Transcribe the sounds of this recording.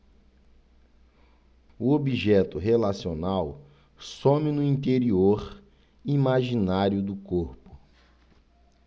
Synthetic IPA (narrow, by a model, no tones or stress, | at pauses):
uobiʒɛt̪ʊɦelasionaw | sõmɪnʊĩnt̪eɾioɾ | imaʒinaɾjʊd̪ʊkoɾpʊ̥